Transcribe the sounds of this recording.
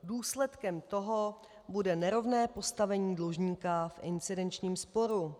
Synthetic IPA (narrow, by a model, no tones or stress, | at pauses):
duːslɛt̪kɛmt̪o̞ɦo | budɛnɛɾo̞vnɛːpo̞st̪avɛɲiːdloʒɲiːkafʔɪ̰nt͡sɪdɛnt͡ʃɲiːmspo̞ɾu